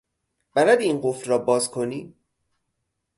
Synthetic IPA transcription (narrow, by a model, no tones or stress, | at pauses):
b̥æɾæd̪inɢofɾɒːbɒːzkʰoniː